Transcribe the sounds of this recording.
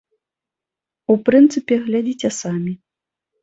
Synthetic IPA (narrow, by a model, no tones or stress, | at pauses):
upɾɨnt̪sɨpʲɛɣlʲad͡zʲit͡sʲɛsamʲi